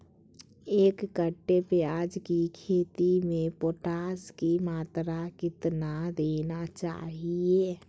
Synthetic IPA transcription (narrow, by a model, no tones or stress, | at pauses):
eːkːəʈːepɪjaːd͡ʒkikʰeːt̪imẽpoːʈaːskimaːt̪ɾakɪt̪nad̪eːnat͡ʃa̰ːɦieː